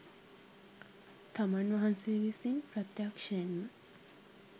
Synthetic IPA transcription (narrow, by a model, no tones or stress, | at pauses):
t̪amanʋaɦanseʋisinpɾɐt̪jakʂɐjenːə